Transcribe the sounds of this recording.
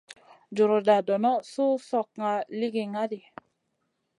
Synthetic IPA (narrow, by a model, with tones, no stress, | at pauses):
d͡ʒu˨ɾo˨da˨dɔ˨nɔ˦su˦sɔ˨k̚ŋa˨li˦ɡi˨ŋa˦di˨